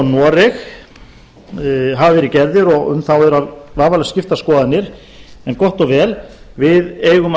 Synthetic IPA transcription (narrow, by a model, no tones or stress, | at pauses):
nɔːɾɪx | ɦavvɛɾɪcɛɾðɪɾɔɣʏ̰mθawɛɾavvaːvalscɪft̪askɔːðanːɪɾ | ɛnkɔht̪ɔɣvɛːl | vɪðeːjɣʏm